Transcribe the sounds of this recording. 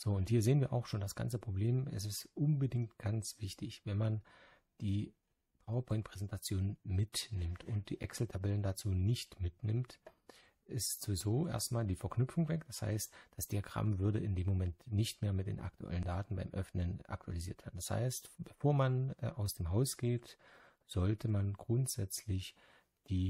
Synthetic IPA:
z̥oːʊnthiːɐzeːənviːɐʔa̰ʊxʃoːndasɡ̥a̰nt͡səpʁ̥obleːmɛ̰s̬ɪstʔʊnbədɪŋktɡ̥ant͡sv̥ɪçtʰɪçvɛnman | d̥iː | pʰaʊɐpʰɔʏnt̚pʁ̥ɛzɛntʰat͡sjoːnənmɪtnɪmtʰʔʊnt̚d̥iːʔɛ̰ksl̩tʰabɛləndat͡suːnɪçtmɪtnɪmt | ʔɪstz̥ovɪzoːʔḛːɐstmaːldiːfɛɐknʏpfʊŋvɛk̚d̥asha̰ɪstd̥asd̥iaɡʁa̰mvʏɐdəɪndeːmːomɛntnɪçtmeːɐmɪt̚d̥ḛːnʔa̰ktʰuʔɛ̰ləndaːtn̩baɪmʔœfnənʔa̰ktʰua̰liziːɐtv̥eɐndasha̰ɪstb̥əfoːɐmanʔaʊsd̥eːmɦaʊsɡ̥eːt | z̥ɔltʰəmanɡʁʊntz̥ɛt͡slɪç | d̥iː

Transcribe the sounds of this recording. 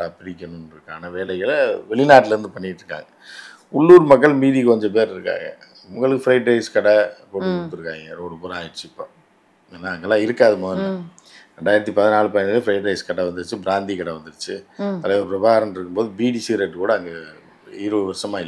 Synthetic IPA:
apɪɾɪkʲːɐnʊnɾɯkːaːnɐʋeːɭɐɣɐlʋɛɭɪnaːʈːɪlɐɾɯnd̪ɯpɐɳːɪʈːɾɯkːa̰ːŋɡɐ | ʊɭːuːɾmɐk̬ːɐɭmiːðikɔɲd͡ʒɔp̬eːɾɪɾɯkːa̰ːŋɡɐ̰ | mʊŋɡɐɭɯkːɯfɪɾɐɪʈɾɐɪskɐɽɐkoʈːɯkːk̪ːɯɾɯkːaːŋɡɐɾɔɾɯpuɾaːjɪɾt͡ʃːɪɪpːo̰ | eːnːaːɐŋɡɐlːãːɪɾɯkːaːðɯmoðnːɐ | ɾɛɳɖaːjɪɾɐt̪ːipɐðɐnaːɭɯpɐjnd̪ɐlɯfɪɾɐɪʈɾɐɪskɐɽɐʋɐnd̪ɯɯt͡ʃːɯbɪɾaːnd̪ikɐɽɐʋɐnd̪ɯɾɯt͡ʃːɯɐlɐʋɐpɾɐbaːɣɾɐmɪɾɯkːɯmboːðɯbiːɖiːsiɾeʈːkuːɽɐːŋɡɐ | iːɾɯʋɯʋɐɾsɐmaːɪlː

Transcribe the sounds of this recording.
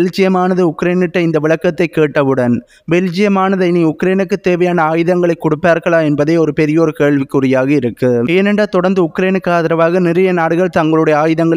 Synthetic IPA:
ld͡ʒɪjɐmaːnɐðɯʊkːɾeːnɯʈːɐɪnd̪ɐʋɪɭɐkːɐt̪ːɐɪkːeːʈːɐʋɯɽɐn | bɛld͡ʒɪjɐmaːnɐðɐɪniʊkɾeːnɯkːɯt̪ːeːʋɐjaːnɐaːjɯðɐŋɡɐɭɐɪkːɔɽɯpːaːɾɣɐɭaːɛnbɐðeːɔɾɯpɛɾɪjoːɾɯkeːɻʋɪkːʊrɪjaːɣɐɪɾɯkːɯeːnɛɳɖaːt̪ɔɽɐnd̪ɯʊkːɾeːnɯkːaːðɪɾɐʋaːɣɐnɪɾɐjɐnaːɽɯɣɐɭt̪ɐŋɡɐɭɯɽɐjɐaːjɯðɐŋɡɐɭ

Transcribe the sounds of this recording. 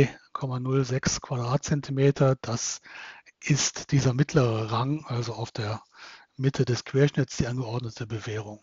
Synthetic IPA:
ɪkʰɔmanʊlzɛkskv̥ad̥ʁaːt̚t͡sɛntʰimeːtʰɐd̥as | ʔɪstd̥iːzɐmɪtʰləʁəʁaŋʔalzoaʊfd̥eːɐ | mɪtʰədɛskv̥eːɐʃnɪt͡sd̥iːʔanɡəɔɐdnətʰəbəveːʁʊŋ

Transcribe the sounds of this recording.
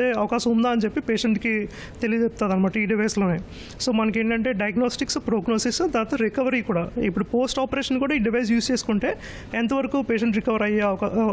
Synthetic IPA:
eɐʋɐkaːʃɐmund̪aːɐnt͡ʃe̞pːipeːʂeɳʈki | t̪elid̪t͡ʃep̚t̪aːd̪ɐnimaːʈːɐiːɖiʋɐjslo̞ːneː | so̞ːmɐnɐkeːɳʈɐɳʈe̞ːɖɐjɐɡnoːsʈikspɾoːɡnoːsisd̪aːt̪ɐɾikɐʋɐɾikuːɽaːipːuɽupo̞ːsʈaːpɐɾeːʂɐnkuːɽaːiːɖiʋɐjs̬juːst͡ʃeːsu̥kuɳʈe̞ː | ɛnt̪ɐʋɐɾɐkuːpeːʃeɳʈɾikɐʋɐɾɐjːaɐɐka

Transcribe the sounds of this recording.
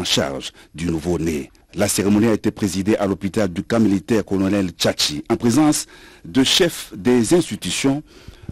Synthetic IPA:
ʃa̰ʁʒd̪ynuvone | laseʁemɔniaet̪epχezid̪eʔalopit̪ald̪ykãmilit̪ɛʁkɔlɔnɛlt͡ʃat͡ʃiɑ̃pχezɑ̃sd̪əʃɛfd̪ezɛ̃st̪it̪ysjɔ̃

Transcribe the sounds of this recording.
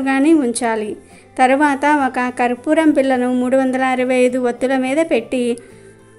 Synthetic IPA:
ɡaːniuɲt͡ʃaːli | t̪ɐɾuʋaːt̪ɐɔkɐkɐɾupuːɾɐmpiɭːɐnumuːɽuʋɐnd̪ɐlɐɐɾuʋɐɐjd̪uʋɐt̪ːulɐmiːd̪ɐpe̞ʈːi

